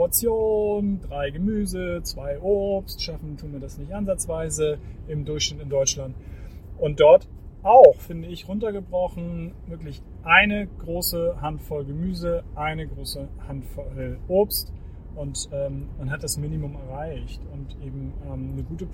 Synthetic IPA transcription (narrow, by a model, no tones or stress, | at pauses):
at͡sjoːndʁaɪɡəmyːzət͡sv̥aɪʔopstʃafn̩tʰuːnviɐdasnɪçtʔanzat͡sv̥aɪzəʔɪmdʊɐçʃnɪtɪndɔʏt͡ʃlant | ʔʊnt̚d̥ɔɐt | ʔaʊxfɪndəɪçʁʊntɐɡəbʁɔχn̩vɪɐklɪç | ʔaɪnəɡ̥ʁoːsəɦantfɔlɡəmyːzəʔaɪnəɡʁoːsəhantfɔlʔoːpst | ʔʊntʔɛːmmanɦat̚d̥asminimʊmɛɐʁaɪçtʊntʔeːbm̩ʔɛːmnəɡuːtə